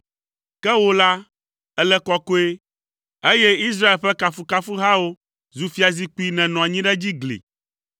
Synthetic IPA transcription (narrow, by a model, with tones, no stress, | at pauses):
kɛ˦wo˦la˦ | ɛ˦lɛ˦kɔ˦ko˦e˦ | e˦jɛ˦i˦s̬ɾa˦e˨lɸɛ˦ka˨fu˦ka˦fu˦ɦa˦wo˦ | zu˨fi˦a˨zi˦k͡pu˦i˦nɛ̃˨nɔ̃˨a˨ɲĩ˦ɖɛ˦d͡ʑi˦ɡlḭ˨